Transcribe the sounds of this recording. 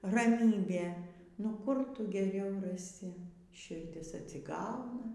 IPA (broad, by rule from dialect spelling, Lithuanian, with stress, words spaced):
rɐˈmʲiːbʲeː nʊ ˈkʊr ˈtʊ ɡʲɛˈrʲɛʊ rɐˈsʲɪ ʃʲɪrʲˈdʲɪs ɐtʲsʲɪˈɡɐʊnɐ